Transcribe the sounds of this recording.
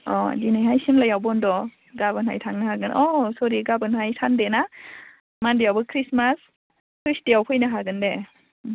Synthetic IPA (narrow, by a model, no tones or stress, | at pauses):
ɔ̰dinajɦajsimlajawbɔndɔ | ɡabɯnha̰jtʰaŋnahaɡɯnʔɔsɔɾiɡabɯnhajtʰandena | mandijawbɯkʰɾismas | kisdijawkʰɯjnaɦaɡɯnde